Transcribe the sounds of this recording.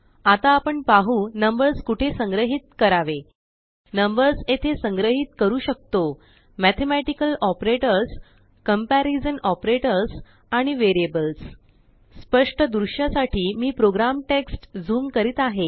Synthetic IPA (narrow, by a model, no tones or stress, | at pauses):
at̪aːpəɳpaɦuːnəmbəɾskuʈʰesə̃ŋɡɾəɦiːt̪̚kəɾaʋe | nəmbəɾset̪ʰesəŋɡɾəɦiːt̪kəɾuːɕək̚t̪o | mæt̪ʰemæʈikəlɔpɾeʈəɾs | kəmpæɾid͡zənɔpɾeʈəɾs | aɽ̃iʋeɾiebəls | spəʂʈəd̪ɾuɕjasaʈʰiːmiːpɾoɡɾamʈeksʈd͡zuːmkəɾiːt̪aɦe